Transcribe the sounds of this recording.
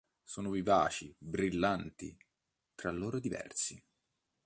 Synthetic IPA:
soːnoviva̰ːt͡ʃibɾilːant̪ḭ | t̪ɾalːoːɾod̪ivɛ̰rsi

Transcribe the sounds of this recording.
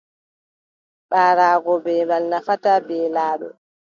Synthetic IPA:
ɓaːɾaːɡɔbɛbalnafatabɛːlaːɗɔ̰

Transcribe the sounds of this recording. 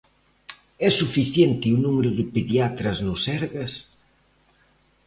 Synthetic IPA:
ɛsufiθjent̪ɪunumeɾʊðɪpeðjat̪ɾɐznʊsɛɾɣɐs

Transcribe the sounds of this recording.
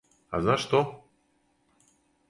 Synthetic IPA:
a̰znaʂt̪o

